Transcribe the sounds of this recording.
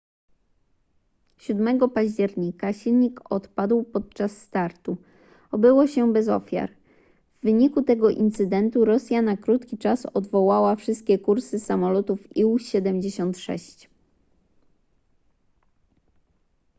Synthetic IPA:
ɕud̪mɛɡɔpaʑd͡ʑɛɾɲikaɕilɲikɔt̪pad̪wpɔt̪̚t͡ʂasːt̪aɾt̪u | ɔbɘwɔɕɛbɛzɔ̰fʲja̰ɾ | vːɘɲikut̪ɛɡɔʔint̪sɘd̪ɛnt̪uɾɔsʲjanakɾut̪kʲit͡ʂasɔd̪vɔwawafʂɘst̪̚kʲɛkuɾsɘsamɔlɔt̪ufiwɕɛd̪ɛmd͡ʑeɕɔnt̪ʂɛ̰ɕt͡ɕ

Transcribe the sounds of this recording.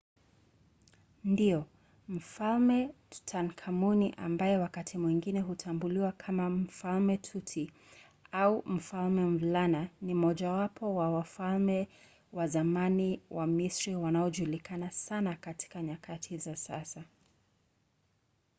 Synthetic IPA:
ndijɔ | m̩falmɛ̥ | tʰankʰamuniʔa̰mbajɛwakatʰimwiŋɡinɛɦutʰambuliwakʰamam̩falmɛtʰutʰi | aum̩falmɛmvlananim̩ɔʄawapʰɔwawafalmɛ | wazamaniwamisɾiwanaɔʄulikanasanakati̥kaɲakʰatʰizasa̰sa

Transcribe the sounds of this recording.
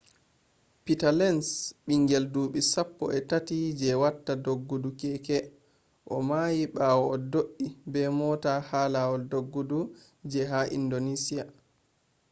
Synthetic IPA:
pitalɛnsɓiŋɡɛlduːɓisapːɔ̰ʔɛtatid͡ʒɛwatːadoɡːudukɛkɛ | ʔɔmaːjiɓaːwɔɔdoʔːibɛmɔtahaːlawɔldoɡːudu | d͡ʒɛɦaʔḭndonisia

